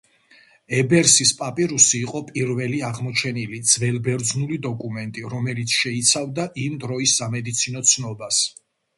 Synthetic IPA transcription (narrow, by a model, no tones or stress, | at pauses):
ɛbɛɾsispʼapʼiɾusiːqʼɔpʼiɾvɛliaʁmɔt͡ʃʰɛnilid̪z̥vɛlbɛɾd̪znulid̪ɔkʼumɛnt̪ʼiɾɔmɛlit̪sʰʃɛit̪sʰavd̪aʔimd̪ɾɔisːamɛd̪it̪sʰinɔt̪sʰnɔbas